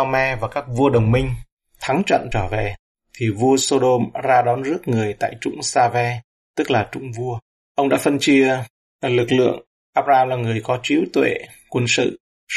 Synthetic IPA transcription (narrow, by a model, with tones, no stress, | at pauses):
a˧mɛ˧vaː˨˩kaː˦˥k̚vu˧əɗə˨˩wŋ͡mmï˧ŋ̟ | t̪ʰa˨˦ŋt͡ɕə̰˧˨nt͡ɕəː˧˩ve˨˩ | t̪ʰi˨˩vu˧əso˧ɗo˧mzaː˧ɗɔ˨˦nzɨ˦˥ək̚ŋɨ˨˩əjt̪a̰ː˧˨jt͡ɕʊ̰˧˥ŋ͡msaː˧vɛ˧ | t̪ɨ˦˥k̚laː˨˩t͡ɕʊ̰˧˥ŋ͡mvu˧ə | ʔə˧wŋ͡mɗa̰ː˧˥fə˧nt͡ɕi˧ə | lɨ˨˩k̚lɨ̰˧˨əŋ | ʔaː˦˥p̚zaː˧laː˨˩ŋɨ˨˩əjkɔ˨˦t͡ɕi˨˦wt̪wḛ˧˨ | kwə˧nsɨ̰˧˨